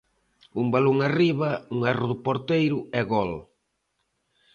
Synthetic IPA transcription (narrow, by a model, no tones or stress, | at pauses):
umbaloŋariβɐuŋarʊðʊpoɾt̪ejɾʊɛɣɔl